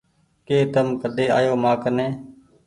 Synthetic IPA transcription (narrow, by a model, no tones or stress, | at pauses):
keːt̪əmkəd̪eːa̰ːjoːmaːkənẽː